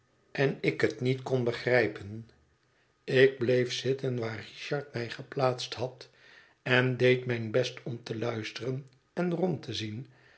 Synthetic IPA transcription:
ʔɛnɪkɦətnitkɔnbəχrɛjpən | ɪɡ̚blejfsɪtənʋaːriʃɑɹtmɛjχəplaːtsthɑt | ɛndejtmɛjnbɛstʰɔmtəlœɥstərən | ɛnrɔmtʰəzin

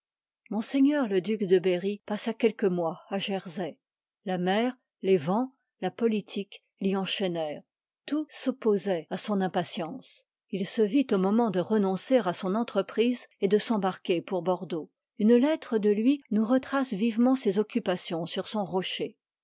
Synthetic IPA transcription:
mɔ̃seɲœʁləd̪ykd̪əbeʁipasakʲɛlkəmwaaʒɛʁzɛ | lamɛːʁ | levɑ̃ | lapɔlit̪ʰik | liɑ̃ʃɛnɛːʁ | t̪usɔpozɛasɔ̃nɛ̃pasjɑ̃ːs | ilsəvit̪omɔmɑ̃d̪əʁənɔ̃seʁasɔ̃nɑ̃t̪χəpχized̪əsɑ̃baʁkʲepuʁbɔʁd̪o | ynlɛt̪χəd̪əlɥinuʁət̪χasvivmɑ̃sezɔkʲypasjɔ̃syʁsɔ̃ʁɔʃe

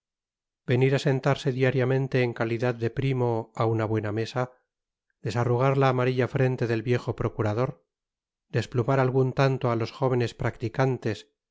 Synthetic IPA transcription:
be̞niɾase̞nt̪aɾse̞ðiaɾjamẽ̞nt̪e̞ːŋkaliðaðːe̞pɾimo̞aunaβwe̞name̞sa | d̪̥e̞saruɣ̞aɾlaːmaɾiʎafɾe̞nt̪e̞ðe̞lβje̞xo̞pɾo̞kuɾað̞o̞ɾ | d̪e̞splumaɾalɣunt̪ant̪oalo̞sxo̞β̞e̞ne̞spɾakt̪ikant̪e̞s

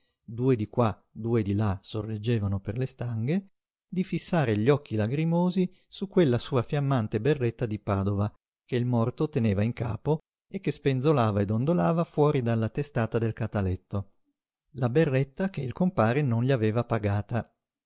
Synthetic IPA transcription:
d̪uːed̪ikwa | d̪uːed̪ilasorːed͡ʒːeːvanoperlest̪aŋɡe | d̪ifisːaːɾeʎɔkːilaɡɾimoːzi | sukːwelːasuːafjamːant̪eberːet̪ːad̪ipaːd̪ova | k̟eilmɔrt̪ot̪eneːvaiŋkaːpo | ekːespenzolaːvaed̪ond̪olaːvafwɔːɾid̪alːat̪est̪aːt̪ad̪elkat̪alɛt̪ːo | laberːet̪ːakeilkompaːɾenonʎiaveːvapaɡaːt̪a

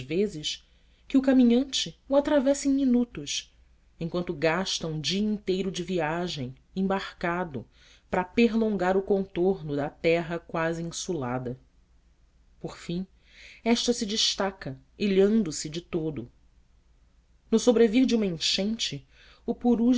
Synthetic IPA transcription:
vezɪʃ | kɪʊkamĩɲɐ̃nt͡ʃɪuat̪ɾavɛsẽj̃minut̪ʊʃ | ẽj̃kwɐ̃nt̪ʊɡaʃt̪ɐũd͡ʒiɐĩnt̪ejɾʊd͡ʒɪviaʒẽj̃ | ẽbaɾkad̪ʊ | pɾɐpeɦlõŋɡaɾʊkõnt̪oɾnʊd̪ɐt̪ɛɦɐkwaziĩsula̰d̪ɐ | poɾfĩ | ɛʃt̪ɐsɪd͡ʒɪʃt̪akɐ | iʎɐ̃nd̪ʊsɪd͡ʒɪt̪od̪ʊ | nʊsobɾeviɾd͡ʒɪũmɐẽʃẽnt͡ʃɪ | ʊpuɾu

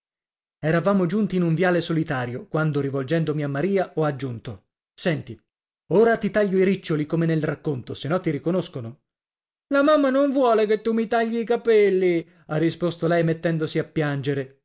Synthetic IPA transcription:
ɛɾavaːmod͡ʒunt̪iːnuɱvjaːlesolit̪aːɾjokwand̪oɾivold͡ʒɛnd̪omiamːaɾiːaʔɔad͡ʒːunt̪o | sɛnt̪i | oːɾat̪it̪aʎːoiɾit͡ʃːolikomenelrakːont̪osenːɔt̪ːiɾikonoskono | lamamːanoɱvwɔːleket̪ːumːit̪aʎːiːkapɛlːi | arːispost̪olɛjmet̪ːɛnd̪osiapːjand͡ʒeɾe

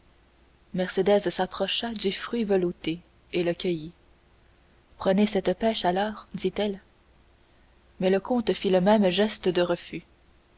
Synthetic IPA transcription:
mɛʁsed̪ɛzsapχɔʃad̪yfχɥivəlut̪e | eləkʲəji | pχənesɛt̪pɛʃalɔːʁd̪it̪ɛl | mɛləkɔ̃t̪filəmɛmʒɛst̪d̪əʁəfy

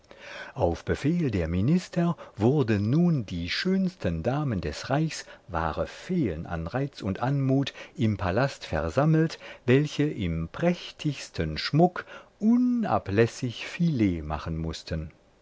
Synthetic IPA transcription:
ʔaʊfb̥əfeːldeːɐminɪstʰɐvʊɐdənːuːndiːʃøːnstʰəndaːməndɛsʁaɪçsva̰ːʁəfeːlənʔa̰nʁaɪt͡sʊntʔanmuːtʔɪmpʰalastfɛɐzaml̩tvɛlçəʔɪmpʁ̥ɛçtʰɪçstʰənʃmʊkʔʊna̰plɛsɪçfileːma̰χənmʊstʰən

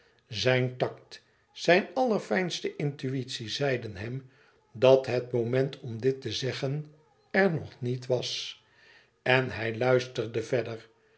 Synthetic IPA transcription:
zɛjntɑk̚t | sɛjnɑlˠəɹfɛjnstəʔɪntyitsizɛjdənɦɛm | dɑtɦətmomɛntʰɔmdɪtəzɛχən | ɛɹnɔχnitʋɑs | ɛnɦɛjlœɥstəɹdəvɛdəɹ

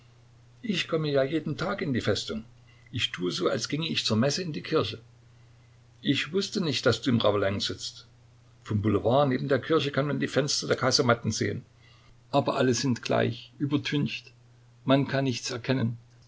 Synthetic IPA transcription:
ʔɪçkʰɔməjaːjeːdn̩tʰaːkɪndiːfɛstʊŋ | ʔɪçtʰuːəzoːalsɡ̥ɪŋəɪçt͡suːɐmɛsəɪndiːkʰɪɐçə | ʔɪçv̥ʊstənɪçt̚d̥asd̥uːɪmʁavəlɛŋz̥ɪt͡st | fɔmbuləvaːɐneːbm̩deːɐkʰɪɐçəkʰanmandiːfɛnstɐdeːɐkʰaɪzɐmatn̩zḛːən | ʔaːbɐʔaləzɪntɡ̥la̰ɪçʔyːbɐtʰʏnçt | mankʰanːɪçt͡sɛɐkʰɛnən

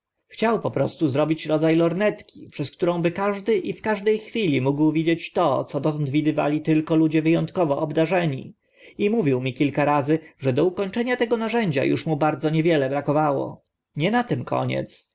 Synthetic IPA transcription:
xt͡ɕawpɔpɾɔst̪uzɾɔbʲit͡ɕɾɔd̪zajlɔɾnɛt̪kʲi̥pʂɛskt̪uɾɔ̃w̃bɘkaʐd̪ɘʔifkaʐd̪ɛjxfʲilʲimuɡwvʲid͡ʑet͡ɕt̪ɔt̪sɔd̪ɔt̪ɔnd̪vʲid̪ɘva̰lʲit̪ɘlkɔlud͡ʑɛvɘjɔnt̪kɔvɔʔɔbd̪aʐɛɲḭ | imuvʲiwmʲikʲilkaɾazɘʐɛd̪ɔukɔɲt͡ʂɛɲat̪ɛɡɔnaʐɛɲd͡ʑa̰jṵʂmubaɾd̪zɔɲɛvʲjɛlɛbɾakɔvawɔ̰ | ɲɛnat̪ɛmkʰɔ̰ɲɛ̰t̪s

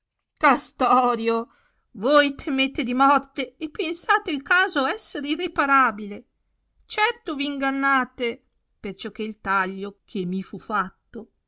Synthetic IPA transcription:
kast̪ɔːɾjo | vojt̪ʰemet̪ed̪imɔrt̪eːpːensaːt̪eilkaːzoɛsːeɾirepaɾaːbile | t͡ʃɛrt̪oviːŋɡanːaːt̪e | pert͡ʃok̟ːeilt̪aʎːokʰemːifufat̪ːo

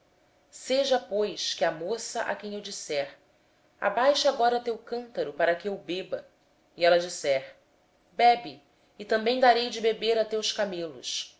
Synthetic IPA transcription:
seʒɐpojʃkɪamosɐʔa̰kẽj̃ewd͡ʒisɛɾ | a̰bajʃaɡɔɾɐt̪ewkɐ̃nt̪ɐɾʊpaɾɐkɪewbebɐ | iɛlɐd͡ʒisɛɾ | bɛbi | ɪt̪ɐ̃mbẽj̃d̪aɾejd͡ʒɪbebeɾɐt̪ewskamelʊ̰s

